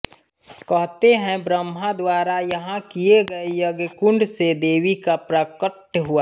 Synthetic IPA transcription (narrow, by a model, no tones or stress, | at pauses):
kɐɦt̪eɦɛ̃bɾəmːãd̪waːɾajɐɦãkieɡɐejɐɡkʊ̃ɳɖsed̪eːʋikapɾəkəʈɦʊa